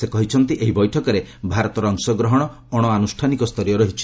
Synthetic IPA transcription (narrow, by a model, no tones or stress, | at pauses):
sekɔɦit͡ʃʰɔnt̪iʔeɦibɔjʈʰɔkɔɾebʱaɾɔt̪ɔɾɔŋsɔɡɾɔɦɔɽ̃ɔ | ɔɽ̃ɔanusʈʰanikɔst̪ʰɔɾjɔɾɔɦit͡ʃʰi̥